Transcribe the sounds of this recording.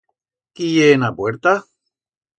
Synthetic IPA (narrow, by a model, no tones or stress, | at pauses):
kijeːnapweɾt̪a